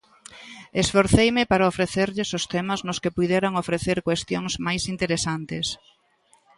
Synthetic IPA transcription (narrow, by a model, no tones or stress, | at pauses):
esfoɾθejmɪpaɾaofɾeθeɾʎɪsʊst̪ɛmɐznʊskepuðeɾaŋofɾeθeɾkwest̪joŋsmajsint̪eɾesant̪ɪs